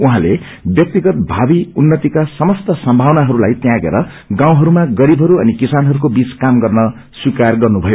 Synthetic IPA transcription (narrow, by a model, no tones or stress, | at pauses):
uɦãle | bjʌk̚t̪iɡʌt̪̚bʱabiunːʌt̪ikasʌmʌst̪ʌsʌmbʱawnaɦʌɾulajt̪jãɡḛɾʌ | ɡãw̃ɦʌɾumaɡʌɾibʱɦʌɾuʌ̰nikisanɦʌɾukobit͡skamɡʌrnʌ | swikarɡʌrnubʱʌjo